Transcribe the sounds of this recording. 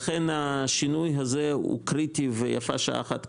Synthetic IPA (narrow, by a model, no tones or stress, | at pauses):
χenhaʃinujɦazeṵkɾit̪iveja̰fa̰ʃa̰a̰ːχa̰t̪